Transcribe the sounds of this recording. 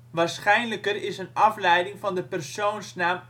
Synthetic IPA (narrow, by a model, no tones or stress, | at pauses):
ʋaːrsχɛjnləkərɪsənɑflɛjdɪŋfɑndəpɛrsownsnaːm